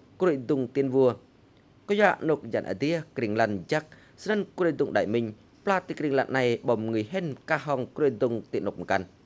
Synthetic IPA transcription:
kuɾid̪uŋt̪iənʋuə | kojaːʔnok̚janʔa̰d̪iəkriŋlanjak̚ | snənkuɾid̪uŋɗajmɨɲ | plaːt̪ːikɾiŋlanːajɓɑmŋɨjɦenkaɦɔŋkɾiəd̪uŋt̪iʔnok̚məkan

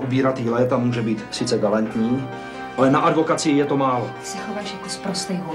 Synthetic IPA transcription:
ʔubiːɾat̪iːlɛt̪amːuːʒɛbiːt̪sɪt͡sɛɡalant̪ɲiː | ʔalɛnaʔadvo̞kat͡sɪjɛt̪o̞maːlo | sɛxovaːʃjakospɾost̪ɛjɦo

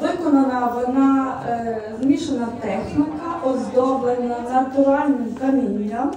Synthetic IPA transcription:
ʋɪkɔnɔnaʋɐd̪na | zmʲiʃɛnɐt̪ɛxnʲikɐʔɔzd̪ɔbɛnanɐt̪uɾalʲnimkɐmʲinʲːa

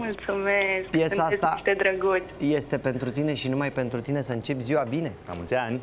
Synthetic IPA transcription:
mult̪sumeskpije̞saat̪at̪ed̪ɾəɡut̪ʲje̞st̪e̞pe̞nt̪ɾut̪ine̞ʃinumajpe̞nt̪ɾut̪inesəɨnt͡ʃe̞pʲziwabine̞ka̰mṵlt̪sʲanʲ

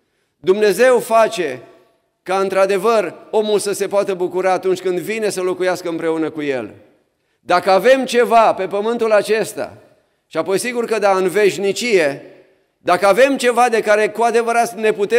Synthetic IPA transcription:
d̪umne̞ze̞wfat͡ʃe̞ | kaɨnt̪ɾad̪e̞vəro̞mulsəse̞poat̪əbukuɾaːt̪unt͡ʃʲkɨnd̪vine̞səlo̞kujaskəɨmpɾe̞unəkuje̞̰l | d̪akəave̞mt͡ʃe̞vape̞pəmɨnt̪ulat͡ʃe̞st̪a̰ | ʃiapo̞jsiɡurkəd̪aɨnve̞ʃnit͡ʃije̞ | d̪akəave̞mt͡ʃe̞vad̪e̞kaɾe̞kuad̪e̞vəɾat̪ne̞put̪e

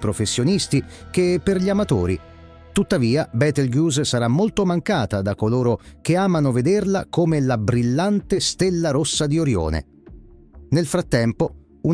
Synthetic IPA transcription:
pɾofesːjonist̪i | k̟epːerʎiamat̪oːɾi | t̪ut̪ːaviːabɛt̪elɡjuːzsaɾamːolt̪omaŋkaːt̪ad̪akːoloːɾok̟eaːmanoved̪erla̰komelabɾilːant̪est̪elːaɾosːad̪ioɾjo̰ːnḛ | nelfɾat̪ːɛmpo | u

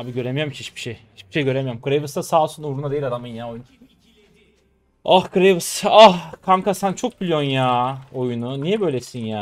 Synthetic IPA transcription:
aːbiɟø̞ɾemijamkʰinhit͡ʃbi̥ʃejhit͡ʃbiʃejɟø̞ɾemijamkʰɯɾevɯst̪asaːlˠsunuɾunad̪eilʲad̪amɯjinjaːojun | ahkɯɾevɯsahkʰamkasant͡ʃʰo̞k̚bilʲjonjaːo̞jununijɛbø̞jlʲesinjaː

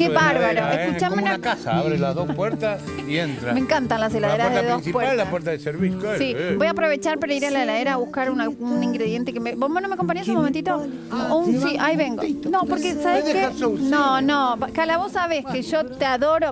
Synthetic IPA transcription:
keβaɾβaɾoeskut͡ʃamenaakasa̰aβɾelaðospweɾt̪as | ient̪ɾamẽŋkant̪anlaselaðeɾaðeðoissipwealelapweɾt̪aðeseɾβisjosibo̞japɾo̞βet͡ʃaɾpaɾaiɾalaelaeɾaːβuhkaɾunaunĩŋɡɾeðje̞nt̪ekemebomonomekomp̬anɲesumoment̪it̪o | siʔajβeŋɡonopoɾkesaβeekesononopakalaβosaβeskeʒot̪eaðo̞ɾo

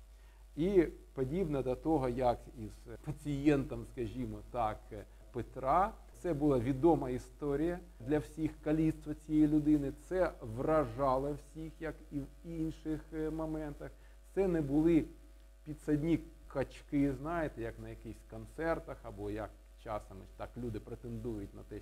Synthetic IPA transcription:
ipɔdʲibnɐd̪ʲɐt̪ɔɦɔjɐkiz̥pɐt͡sʲɪjɛnt̪ɐmskɐʒʲimɔt̪ɑk | pet̪ɾɑ | t̪sɛbʊlˠɑʋʲid̪ɔmɐist̪ɔɾʲijɐ | d̪lʲɐwsʲixkɐlʲist̪ʋɐt͡sʲijɛjilʲʊd̪ɪnɪt̪sɛʋrɐʒɑlˠɐwsʲixjɐkiwinʃɪxmɔmɛnt̪ɐx | t̪sɛnɛbʊlˠɪ | pʲid̪sɐdʲnʲi | kɐt͡ʃkɪznɑjɪt̪ɛjɐknɐjɐkɪxsʲkɔnt̪sɛrt̪ɐxɐbɔjɐk | t͡ʃɑsɐmɪt̪ɑklʲud̪ɪpɾet̪end̪ujʊtʲnɐt̪ɛ

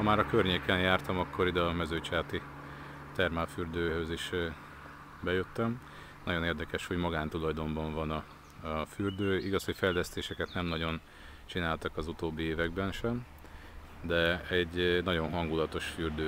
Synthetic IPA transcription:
hɒmaːɾɒkørɲeːkɛnjaːrt̪ɒmɒkːo̞ɾid̪ɒmɛzøːt͡ʃaːt̪i | t̪ɛrmalfyːrd̪øːɦøziʃ | bɛjøt̪ːɛm | nɒɟo̞neːrd̪ɛkɛʃho̞ɟmɒɡaːnt̪ulɒjd̪o̞mbɒɱvɒnɒ | ɒfyrd̪øːiɡɒshocfɛjlɛst̪eːʃɛkɛt̪nɛmnɒɟo̞n | t͡ʃinaːlt̪ɒkɒzut̪oːbːieːvɛɡbɛnʃɛm | d̪ɛɛɟːnɒɟo̞nɦɒŋɡulɒt̪o̞ʃfyrd̪øː

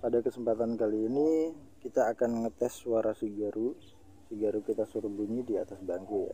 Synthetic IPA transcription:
padakəsəmpat̪ankaliːni | kit̪aːkanŋət̪ɛswaɾʔasiɡaɾu | siɡaɾukit̪asurbuɲidiat̪asbaŋkua̰

